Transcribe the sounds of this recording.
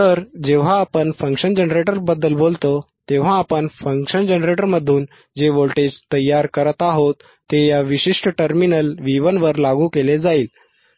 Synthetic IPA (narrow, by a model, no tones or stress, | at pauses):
tt̪əɾd͡ʑeʋ̤aːpəɳfə̃ŋkɕənd͡ʑənɾeʈəɾbəd̪ːəlbolt̪o | t̪eʋ̤aːpəɳfəŋkɕənd͡ʑənɾeʈəɾməd̪ʱːuːn | d͡ʑeʋolʈed͡ʑt̪əjːaɾkəɾət̪aɦot̪ːejaʋiɕiʂʈəʈəɾminəlʋiʋənʋəɾlaɡukeled͡zaiːl